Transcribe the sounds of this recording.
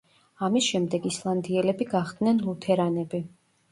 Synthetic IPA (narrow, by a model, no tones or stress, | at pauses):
amisʃɛmd̪ɛɡislˠand̪iɛlɛbiɡaχd̪nɛnlˠut̪ʰɛɾanɛbi